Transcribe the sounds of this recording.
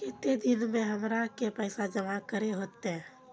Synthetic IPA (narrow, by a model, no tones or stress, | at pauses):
kɪt̪ed̪ɪnmẽɦəmɾakepɛɪsad͡ʒəmakəɾeɦoːt̪eɦɛ̃